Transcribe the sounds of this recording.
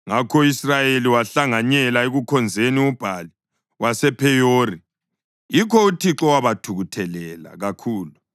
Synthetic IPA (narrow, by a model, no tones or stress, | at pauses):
ŋakʰɔisrajeliwaɬaŋaɲɛlaeɣukʰɔnd͡zʱeniub̥ʱali | wasɛpʰɛjori | jikʰɔutʰiǁɔwaβatʰuɣutʰɛlɛla̰ɣakʰuːlu